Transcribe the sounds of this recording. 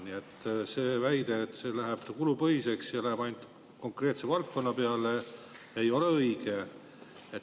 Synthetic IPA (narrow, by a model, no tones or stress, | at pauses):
niet̪ːse̞ːvæjd̪̥eːt̪ːse̞læɦeb̥t̪kulupɤɦise̞ksjɑlæɦæb̥ɑjnd̪̥ | ko̞ŋkre̞ːt̪sevɑlt̪̚ko̞nːɑpeɑle | ejo̞leɤiɡ̥e̞ | et̪